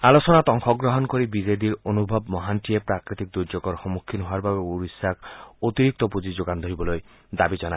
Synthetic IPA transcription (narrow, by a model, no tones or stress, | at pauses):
alosɔnat̪ɔŋkʰɔɡɾɔɦɔnkoɾibid͡ʒed̪iɾonubʱɔbmɔɦanʈiepɾakɾit̪ik̚d̪uɾd͡ʒɔɡɔɾxɔmukʰːinɦɔaɾbabeuɾisakot̪iɾik̚t̪ɔpud͡ʒid͡ʒoɡand̪ʱoɦibɔloj | d̪abid͡ʒɔna